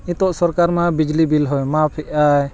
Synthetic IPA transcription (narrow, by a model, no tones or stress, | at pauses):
ĩt̪ɔʔsɔɾkaɾmabid͡ʒlibilɦɔjmapʰɛʔaj